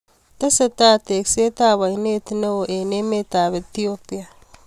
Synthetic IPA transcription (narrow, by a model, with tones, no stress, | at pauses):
t̪ɐ˦se˨t̪a˦t̪e˨kse˦t̪aː˦βa˨ine˦t̪i˦ne˦wo˨ʔe˨ne˦me˦t̪aː˨βet̪iopi˦a˨